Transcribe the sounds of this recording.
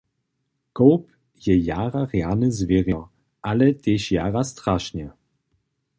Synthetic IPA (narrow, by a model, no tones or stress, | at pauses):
kɔwp | jɛjaːɾaʁjanɪzvʲeʁjɔ | ʔalɛt̪ʲeɕjaːʁast̪ɾaʃɲɛ